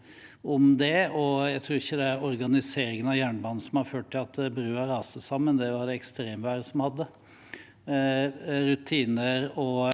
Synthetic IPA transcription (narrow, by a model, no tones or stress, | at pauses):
ɔmd̪ɛɔjæɪt̪ʰɾuːɾɪçːəd̪ɛæɾɔɾɡɑnɪseːɾɪŋənɑʋjæːɳbɑːnn̩sɔmhɑɾføːʈ̚ʈ̪ʰːɪlɑt̪bɾʉːɑɾɑːsəsɑmːənd̪ɛʋɑɾd̪ɛɛkst̪ɾeːmʋæːɾəsɔmhɑd̪ːə | ɾʉt̪ʰiːnəɾɔ